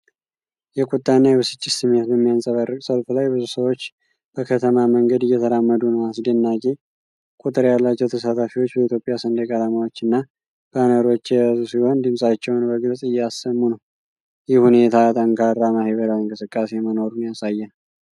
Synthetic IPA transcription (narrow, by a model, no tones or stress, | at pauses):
jɛkʼut̪ʼːanːajɛβɨsɨt͡ʃʼːɪsɨmːe̞t̪̚bəmːijansʼəβarɨkʼsəlfulajbɨzusəwo̞t͡ʃː | b̥əkʰət̪ʰəmaməŋɡəd̪ɨjːɛt̪ʰəɾamːəd̪unəwasd̪ənːakʼe̞ | kʼut̪ʼɨɾjalːat͡ʃːɛwt̪ʰəsat̪ʰafiwot͡ʃːbəit̪ʰjo̞pʼːjasənd̪əkʼat̪ʰəmawo̞t͡ʃːɨnːa | b̥nəɾo̞t͡ʃːjɛjazusiho̞nd̪ɨmsʼat͡ʃːɛwnbəɡɨlsʼɨjːɛasːəmːunəw | jɪhhune̞t̪ʰat̪ʼəŋkʰaɾamaheβəɾawiŋkʼɨsɨkʼːase̞məno̞ɾunjasajːɛn